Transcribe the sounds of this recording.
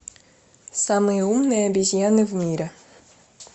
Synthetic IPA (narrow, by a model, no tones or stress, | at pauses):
samɨjəumnɨjəɐbʲɪzʲjanɨvmʲiɾʲɛ